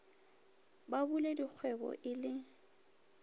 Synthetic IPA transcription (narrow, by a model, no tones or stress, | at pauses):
babuledik͡xʰwɛbɔ̰ʔɪlɪ